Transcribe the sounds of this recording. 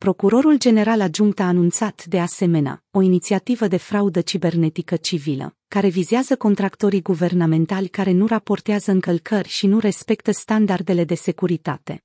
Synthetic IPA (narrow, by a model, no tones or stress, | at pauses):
pɾo̞kuɾo̞ɾuld͡ʒe̞ne̞ɾalad͡ʒuŋk̚t̪aːnunt̪sat̪d̪e̞ase̞me̞nea̰o̞init̪siat̪ivəd̪e̞fɾaud̪ət͡ʃibe̞rne̞t̪ikət͡ʃivilə̰ | kaɾe̞vizeazəko̞nt̪ɾakt̪o̞ɾiɡuve̞rname̞nt̪alʲkaɾe̞nuɾapo̞rt̪eazəɨŋkəlkʰərʲʃinuɾe̞spe̞k̚t̪əst̪and̪ard̪e̞le̞d̪e̞se̞kuɾit̪a̰t̪e̞